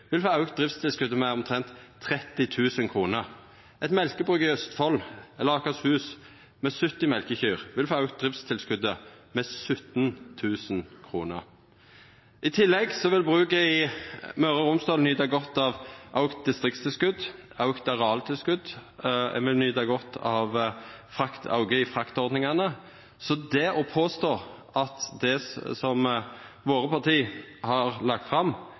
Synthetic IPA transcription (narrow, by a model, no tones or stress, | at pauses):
ʋɪlfoːɑʉkt̪̚d̪ʁɪft̪st̪ʰɪlskʉd̪əmɛɔmt̪ʰʁɛnt̪ʰːʁɛt̪ːɪt̪ʰʉːsənkʰʁuːnəʁ | ɛt̪mɛlkəbʁʉːkɪœst̪fɔlɛləɑkɑshʉːs | mɛsʉt̪ːɪmɛlkəçyːʁʋɪlfoːɑʉkt̪̚d̪ʁɪft̪st̪ʰɪlskʉd̪əmɛsʉt̪nt̪ʰʉːsənkʰʁuːnə̰ʁ | ʔɪt̪ʰɪlːɛɡsɔʋɪlbʁʉːkɛɪmœʁəʁʊmst̪ɑːlnyːd̪ɑɡɔt̪ːɑʋʔɑʊkt̪̚d̪ɪst̪ʁɪk̚t̪st̪ʰɪlskʉd̪ | ɑʊkt̪ɑʁɑlt̪ʰɪlskʉd̪̰ | ʋɪlnyːd̪ɑɡɔt̪ʰːɑʋ | fʁɑkt̪ʰɑ̰ʊɡəɪfʁɑkt̪ɔʁd̪nɪŋɑnə | sɔd̪ɛʔɔpʰoːst̪oːʁ | ɑt̪d̪ɛsɔm | ʋoːʁəpʰɑʁt̪ʰiːhɑʁlɑɡ̚t̪fʁɑm